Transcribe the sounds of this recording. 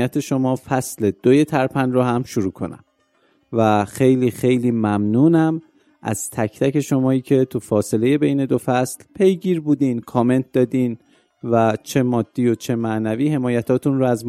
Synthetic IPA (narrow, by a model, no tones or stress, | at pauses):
jæt̪ʰe̞ʃo̞mɒːfæsle̞d̪̥oje̞t̪ʰæɾpʰænrɔːɦæmʃoɾuːkʰo̞̰næ̰m | væxe̞jliːxe̞jliːmæmnuːnæm | ʔæ̰z̥t̪ʰæcʰt̪ʰæce̞ʃo̞mɒːiːcʰe̞t̪ʰufɒːse̞le̞je̞be̞jne̞d̪o̞fæslpʰe̞jɡiːɾbuːd̪iːnkʰɒːme̞nt̪̚d̪ɒːd̪iːn | væt͡ʃʰe̞mɒːd̪̥ːiːo̞t͡ʃʰe̞mæʔnæviːhe̞mɒːjæt̪ʰɒːt̪ʰunrɔæzm